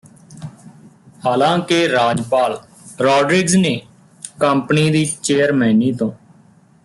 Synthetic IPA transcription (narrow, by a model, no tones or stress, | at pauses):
haːlãːkeɾaːd͡ʒpaːl | ɾɔːɖɾɪɡzneː | kəmpniːd̪iːt͡ʃeːəɾməniːt̪õː